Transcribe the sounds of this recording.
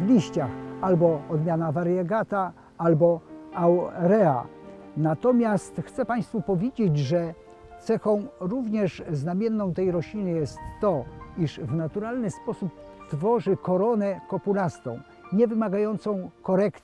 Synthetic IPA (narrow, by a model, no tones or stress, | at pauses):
vlʲiɕt͡ɕaxalbɔɔd̪mʲjanavaɾjɛɡat̪a | albɔawɾɛa̰nat̪ɔmʲjast̪xt̪sɛpaj̃st̪fupɔvʲjed͡ʑed͡ʑʐɛ | t̪sɛxɔ̃w̃ɾuvɲɛʂznamʲjɛnːɔ̃w̃t̪ɛjɾɔɕlʲinɘjɛst̪ːɔiʂvnat̪uɾalnɘspɔsupt̪fɔʐɘkɔɾɔnɛkɔpulast̪ɔ̃w̃ | ɲɛvɘmaɡajɔnt̪sɔ̃w̃kɔɾɛkt̪